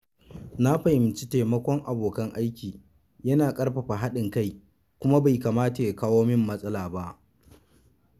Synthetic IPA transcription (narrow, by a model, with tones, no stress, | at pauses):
na˦ɸa˨ʔɪ˨mt͡ʃi˦teː˨mɐ˦kʷɔ˦ŋʔa˨boː˨kɐ˦ŋʔa˦jkʲiː˨ | jɐ˦naː˨kʼɐ˦ɽɸa˨ɸa˨ɦa˦ɗɪ˨ŋka˦˨j | kʷʊ˦ma˦ba˨jkaː˨maː˦ta˨ja˨kaː˦woː˦mɪ˦mːɐ˦sʼɐ˦laː˨ba˦ʔ